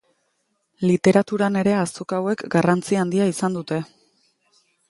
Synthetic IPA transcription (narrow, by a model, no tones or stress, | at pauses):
lit̪e̞ɾat̪uɾane̞ɾe̞asokawe̞kɡarant͡siand̪iaisand̪ut̪e̞